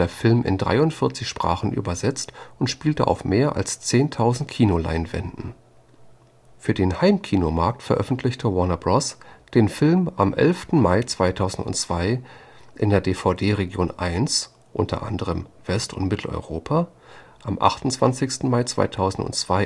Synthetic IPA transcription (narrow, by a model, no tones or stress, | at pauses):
eːɐfɪlmʔɪ̰ndʁa̰ɪʊntfɪɐt͡sɪçʃpʁ̥a̰ːχn̩ʔy̰ːbɐzɛt͡stʔʊntʃpiːltəʔa̰ʊfmeːɐʔa̰lst͡seːntʰaʊzn̩tkʰiːnola̰ɪnvɛ̰ndn̩ | fyːɐdeːnhaɪmkʰiːnomaɐk̚tfɛɐʔœfn̩tʰlɪçtʰəwɔnabʁɔsd̥eːnfɪlmʔamʔɛ̰lftn̩maɪt͡sv̥aɪtʰaʊzn̩tʊ̰nt͡sv̥aɪʔɪndeːɐdeːfaʊdeːʁeɡjoːnʔaɪns | ʔʊ̰ntʰɐ̰ʔa̰ndəʁ̞əmv̥ɛstʊ̰ntmɪtʰl̩ɔ̰ʏʁoːpʰa | ʔamʔa̰χtʊnt͡sv̥ant͡sɪçstn̩maɪt͡sv̥a̰ɪtʰaʊzn̩tʊ̰nt͡sv̥aɪ